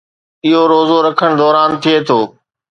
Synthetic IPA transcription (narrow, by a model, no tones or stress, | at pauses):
ɪɦoɾoːzoɾɐkʰəɽ̃d̪ɔːɾaːnt̪ʰiet̪ʰoː